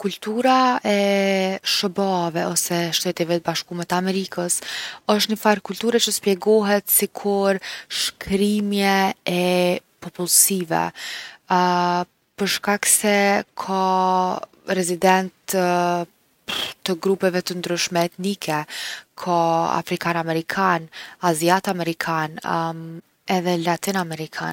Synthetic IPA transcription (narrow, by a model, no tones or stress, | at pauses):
kult̪uɾaɛ | ʃəbavɛɔsɛʃt̪ɛt̪ivɛt̪əbaʃkumɛt̪əamɛɾikəsəʃ̬t̪nəfaɾkult̪uɾɛt͡ʃəspjɛɡɔɦɛt̪sikʰuɾʃkɾimjɛɛpɔpulsivɛ̰ | pəɾʃkaksɛkʰɔ | ɾɛzid̪ɛnt̪ | t̪əɡɾupɛvɛt̪ənd̪ɾyʃmɛɛt̪nikʰɛkʰɔa̰fɾikanamɛɾikʰanaziat̪amɛɾikʰan | ɛðɛlat̪inamɛɾikʰa̰n